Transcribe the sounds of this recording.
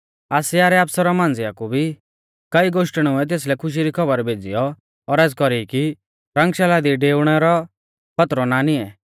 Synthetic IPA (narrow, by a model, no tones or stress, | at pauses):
aːsɪaːɾɛaːpsɔɾɔmãːnd͡zɪakubʱi | kɐiɡoːʃʈəɽ̃uɛt̪̬eːslɛkʰʊʃ̬iɾikʰɔbəɾbʱeːd͡zḭjɔ | ɔːɾɛːd͡zkɔɾiki | ɾɐ̃ŋɡʃɛlad̪iɖeːʊɽ̃ɛɾɔ | pʰɐt̪ɾɔnanɪɛ